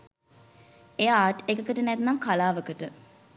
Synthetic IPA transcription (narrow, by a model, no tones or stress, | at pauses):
eaːʈekəkəʈənæt̪naŋkalaːʋəkəʈə